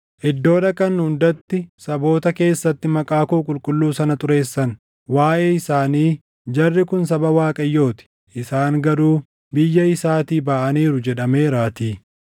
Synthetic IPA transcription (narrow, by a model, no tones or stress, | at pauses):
ʔɪd̪ːo̞ːd̪ɐkɐnːhʊnd̪ɐt̪ːɪsɐbo̞ːt̪ɐke̞ːsːɐt̪ːɪmɐkʼaːkukʼʊlkʼʊlːuːsɐnɐt̪ʊɾe̞ːsːɐn | waːʔeːɪsaːniː | d͡ʒɐrːɪkʊnsɐbɐwaːkʼɐjːo̞ːt̪ɪ̥ | ʔɪsaːŋɡɐɾuː | bɪjːɐɪsaːt̪iːbaːʔɐniːɾʊd͡ʒɛᶑɐme̞ːɾaːt̪iː